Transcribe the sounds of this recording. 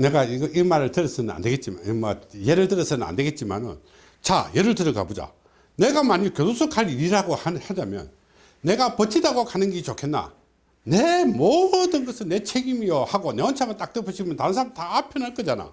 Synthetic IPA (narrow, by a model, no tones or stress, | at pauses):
ne̞ɡaiɡimaɾɯɭtɯɾʌs͈ɯnɯna̰ndeɡet̚t͡ɕ͈ima̰mʌje̞ɾɯɭtɯɾʌsɯnɯna̰nde̞ɡe̞t̚t͡ɕ͈ima̰nɯ̰n | t͡ɕajeɾɯɭtɯɾɯka̰bod͡ʑa̰ | ne̞ɡamaɲikjodosʰokʰaɾiɾiɾaɡohahad͡ʑamjʌ̰nː | e̞ɡapʌt͡ɕʰidaɡokanɯnɡit͡ɕokʰe̞nːa̰ | nemodɯnɡʌsʰɯnne̞t͡ɕʰeɡimijohaɡoneʌnt͡ɕʰamʌnt͈ak̚t͈ɯpʰɯɕʰiɡmjʌntaɾɯns̬ʰamtaːpʰjʌnaɭk͈ʌd͡ʑana̰